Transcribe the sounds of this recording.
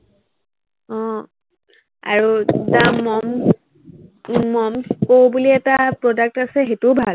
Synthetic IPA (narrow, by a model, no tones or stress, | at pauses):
ɔ̃ | a̰ɹudamɔm | ɔmkowbuliɛtapɹɔdak̚tasɛxetubʱal